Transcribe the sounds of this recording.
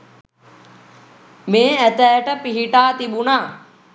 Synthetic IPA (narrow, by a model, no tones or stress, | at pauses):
mẽːɛt̪ɛːʈəpiɦiʈaːt̪iɓunaː